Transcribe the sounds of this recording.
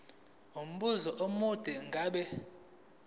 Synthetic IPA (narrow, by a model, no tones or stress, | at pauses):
um̩ɓuzɔʔomud̥ʱɛŋɡʱaɓɛ